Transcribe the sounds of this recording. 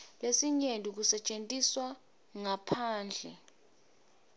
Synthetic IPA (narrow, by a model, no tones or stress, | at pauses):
lesiɲendʱʼuk̬usɛt͡ʃʼentʼiswa | ŋapʰaːnd͡ɮʱɛ̰